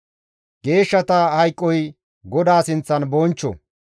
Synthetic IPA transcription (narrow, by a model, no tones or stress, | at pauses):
ɡe̞ːʃːɐt̪ɐhɐjkʼːɔj | ɡɔd̪aːsɪnt͡sːɐnbɔnt͡ʃːɔ̰